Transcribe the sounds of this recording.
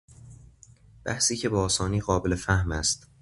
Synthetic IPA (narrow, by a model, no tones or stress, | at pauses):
b̥æ̰hsiːcʰe̞bɒːsɒːniːɣɒːbelefæhmæst̪